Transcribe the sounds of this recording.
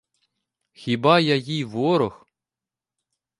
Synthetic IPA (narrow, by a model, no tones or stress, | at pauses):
xʲibɑjajijʋɔɾɔx